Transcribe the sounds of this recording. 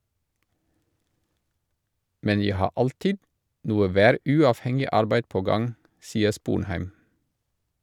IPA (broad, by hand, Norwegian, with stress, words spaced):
ˈmɛn ˈjæɪ ˈhɑː ˈʔɑltɪd ˈnuːə ˈʋæːˌɾʉːɑːfˌhɛŋɪ ˈɑɾbæɪd ˈpoː ˈɡɑŋ ˈsiːə ˈspuːnˌhæɪm